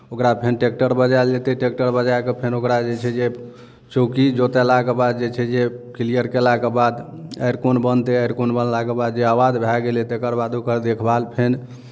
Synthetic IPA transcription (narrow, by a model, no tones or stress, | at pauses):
okɾapʰenʈek̚ʈəɾbəd͡ʒalet̪eʈek̚ʈəɾbəd͡ʒajkepʰenokɾad͡ʒet͡ʃʰɛd͡ʒe | t͡ʃokid͡ʒot̪ɛlakebad̪̚d͡ʒet͡ʃʰɛd͡ʒekilijəɾkelakebad̪ | ə̰jɾkonbənt̪eəjɾkonbənlakebad̪d͡ʒeawad̪bʱɛɡelet̪ekəɾbad̪okəɾd̪ekʰbalpʰen